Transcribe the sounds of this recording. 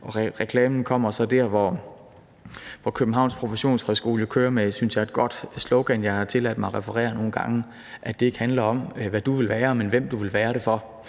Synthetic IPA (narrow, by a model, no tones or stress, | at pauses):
ʔɒ̽ʁɛkʰlɛːmn̩kʰɒ̽m̰ɐsɒ̽d̥æɐ̰ʋɒ | ʋɒkʰøb̥n̩ɦɑ̈ʊ̰nspʰʁo̝feɕo̝̰ːnshɒðˠsɡ̥o̝ːləkʰøːɐmesynsjɑ̈ɪe̝d̥̚ɡ̥ɒ̽d̥sloʊɡ̥ænjɑ̈ɪhɑ̈t͡sʰe̝læd̥mɑ̈ɪʁɛfɐʁɛ̰ːɐno̝ːn̩ɡ̥ɑ̈ŋə | ʔæd̥e̝e̝ɡ̥hænlɐɒ̽m̰ʋæd̥uʋe̝lʋæːɐmenʋem̰d̥uʋe̝lʋæːɐɾe̝fɒ̽